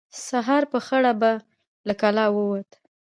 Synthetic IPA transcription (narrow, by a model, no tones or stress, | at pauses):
saɦɑɾpəxaɽaba | lakalɑwəwat̪